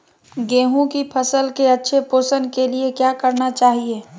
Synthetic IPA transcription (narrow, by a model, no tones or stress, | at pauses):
ɡeːɦũkipʰəsəlkeɐtːʃʰepoːsənkeliekjaːkɐɾnat͡ʃaːɦieː